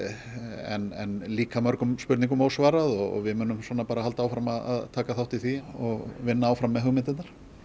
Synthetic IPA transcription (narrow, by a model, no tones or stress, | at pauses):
ɛ̰nɛ̰nliːkamœɾkʏmspʏɾt̪niŋkʏmowsvaːɾaðɔɣɔ̰ɣvɪðmʏːnʏmswɔːnapaːɾahalt̪aːwfɾamaða̰ðt̪ʰaːkaθawht̪ɪθiɔɣvɪnːaawfɾamːɛðɦœɣmɪnt̪ɪnnaɾ̥